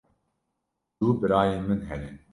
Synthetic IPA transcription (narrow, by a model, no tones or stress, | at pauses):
d̪uːbɨɾaːjeːmɨnɦɛlen